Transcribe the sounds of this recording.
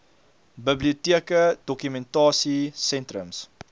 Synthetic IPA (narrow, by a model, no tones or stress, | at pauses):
bəbliutiəkədɔkymɛntɑːsisɛntɾə̰ms